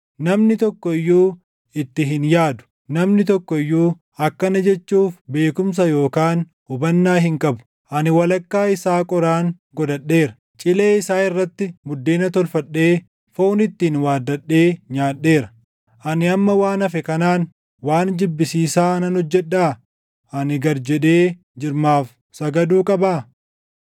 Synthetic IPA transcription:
nɐmnɪt̪ɔkːɔɪjːuː | ɪt̪ːɪɦɪnjaːd̪ʊ̥ | nɐmnɪt̪ɔkːɔɪjːuː | ɐkːɐnɐd͡ʒɛt͡ʃːuːfbe̞ːkʊms̬ɐjo̞ːkaːn | ʊbɐnːaːɦɪŋkʼɐbʊ̥ | ʔɐnɪwɐlɐkːaːɪsaːkʼɔɾaːŋ | ɡɔd̪ɐɗːe̞ːɾɐ̥ | t͡ʃʼɪle̞ːɪsaːɪrːɐt̪ːɪmʊd̪ːeːnɐt̪ɔlfɐɗːe̞ː | foːnɪt̪ːiːnwaːd̪ːɐɗːe̞ːɲaːɗːe̞ːɾɐ̥ | ʔɐnɪɐmːɐwaːnɐfɛkɐnaːn | waːnd͡ʒɪbːɪsiːsaːɐnɐnɔd͡ʒːɛᶑːaː | ʔɐnɪɡɐɾd͡ʒɛᶑe̞ː | d͡ʒɪɾmaːf | sɐɡɐd̪uːkʼɐbaː

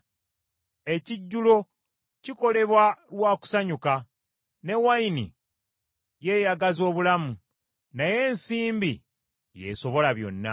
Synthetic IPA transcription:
e̞ciɟːulo̞ | ciko̞le̞βwalwaːku̥saɲuka | ne̞wajinḭ | je̞jaɡazo̞ːβulamu | naje̞ːnsiːmbḭ | je̞̰so̞βo̞laβjo̞̰nːa̰

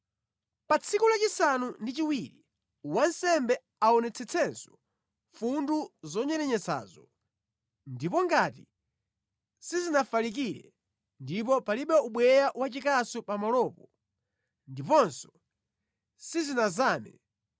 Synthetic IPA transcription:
pat͡sʰikulat͡ʃisanundit͡ʃiwiɾi | wansɛmbɛ | aɔnɛt͡sʰɛt͡sʰɛnsɔ̥ | funduzɔɲɛɾɛɲɛt͡sa̰ːzɔ | ndipɔŋɡati | sizinafalik̬iɾɛ̰ | ndip̬ɔpaliɓɛuɓwɛjawat͡ʃikasupamalɔːpɔ | ndipɔnsɔ̥ | sizinazaːmɛ̰

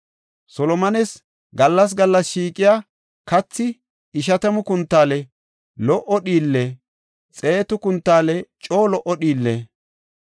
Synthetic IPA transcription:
sɔlɔmɐnɛs | ɡɐlːɐs̬ɡɐlːɐsʃiːkʼɪjaː | kɐt͡sːɪ | ɪʃ̬ɐt̪ɐmʊkʊnt̪ːaːlɛ | lɔʔɔɗiːlːe | t͡sʼe̞ːt̪ʊkʊnt̪ːaːlɛt͡ʃʼo̞ːlɔʔɔɗiːlːe

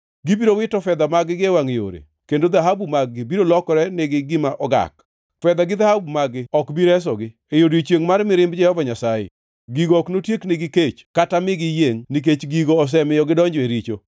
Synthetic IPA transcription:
ɡibiɾowɪtɔfɛd̪amaɡɪɡewaŋejo̰ɾḛ | kendod̪aɦabumaɡːɪbiɾolɔkɔɾɛnɪɡɪɡɪmaʔɔɡa̰k | fɛd̪aɡɪd̪ahabumaɡɪɔkbiɾɛs̬ɔɡɪ | ejodit͡ʃjeŋmarmɪɾɪmbd͡ʒɛhɔvaɲasajɪ̰ | ɡiɡɔknotjeknɪɡɪket͡ʃkatamɪɡɪjeŋnik̬et͡ʃɡiɡoɔs̬ɛmɪjɔɡɪdɔɲd͡ʒeɾit͡ʃo

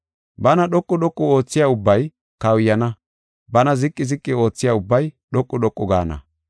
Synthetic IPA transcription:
bɐnɐɗɔkʼːʊɗɔkʼːʊo̞ːt͡sːɪjaːʊbːɐj | kɐwjːɐnɐ | bɐnɐzɪkʼːɪzɪkʼːɪo̞ːt͡sːɪjaːʊbːɐjɗɔkʼːʊɗɔkʼːʊɡa̰ːnɐ̰

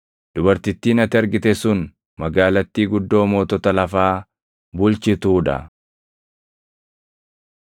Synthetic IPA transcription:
d̪̥ʊbɐɾt̪ɪt̪ːiːnɐt̪ɪɐɾɡɪt̪ɛsʊn | mɐɡaːlɐt̪ːiːɡʊd̪ːo̞ːmo̞ːt̪ɔt̪ɐlɐfaː | bʊlt͡ʃɪt̪uːᶑɐ̰

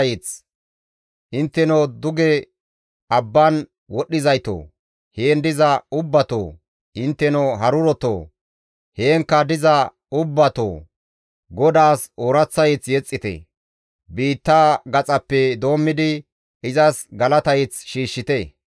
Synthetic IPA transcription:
jɪt͡s | ʔɪnt̪ːɛnod̪ʊɡɛ | ɐbːɐn | wɔɗːɪzɐjt̪o̰ː | heːnd̪ɪzɐʊbːɐt̪o̰ː | ɪnt̪ːɛnɔɦɐɾʊɾɔt̪o̰ː | heːŋkːɐd̪ɪzɐ | ʊbːɐt̪o̰ː | ɡɔd̪aːsoːɾɐt͡sːɐjɪt͡sjɛt͡sʼːɪt̪ɛ̰ | biːt̪ːaːɡɐt͡sʼɐpːɛd̪o̞ːmːɪd̪ɪ | ʔɪzɐsɡɐlɐt̪ɐjɪt͡sʃiːʃːɪt̪e

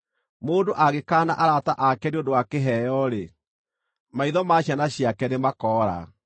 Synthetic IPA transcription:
moːdoʔaɣekaːnaʔaɾataʔakɛɾiodowakeɦɛjɔɾe | maiðɔmaɕjanaɕjakɛnemakɔːɾa̰

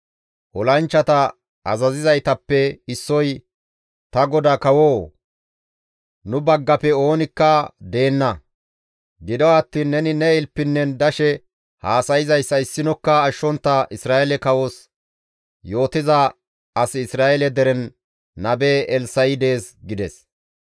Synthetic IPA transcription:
ʔɔlɐnt͡ʃːɐt̪ɐ | ʔɐzɐzɪzɐjt̪ɐpːɛɪsːɔj | t̪ɐɡɔd̪akɐwoː | nʊbɐɡːɐpɛo̞ːnɪkːɐd̪e̞ːnːɐ | ɡɪd̪ɔwɐt̪ːiːnːɛnɪnɛɪlpːɪnːɛnd̪ɐʃɛ | haːsɐjɪzɐjsːɐɪsːɪnɔkːɐːʃːɔnt̪ːɐʔɪsɾaːɛlɛkɐwos | jo̞ːt̪ɪzɐ | ɐsɪːsɾaːɛlɛd̪ɛɾɛnː | ɐbeːʔɛlsɐjɪd̪e̞ːsɡɪd̪ɛs

